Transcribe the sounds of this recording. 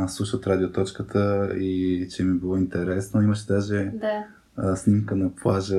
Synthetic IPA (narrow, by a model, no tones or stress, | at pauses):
slˠuʃət̪ɾad̪iot̪ɔt͡ʃkət̪ʰəit͡ʃɛmibilˠɔint̪ɛɾɛsnəiməʃɛd̪aʒɛ | snimkənɐplˠaʒə